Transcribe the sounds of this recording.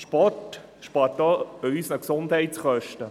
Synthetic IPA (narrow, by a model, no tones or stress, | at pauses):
ʃpɔt | ʃpɑːɾtdɔœjsnɑksʊndhɛɪtsχœʃtə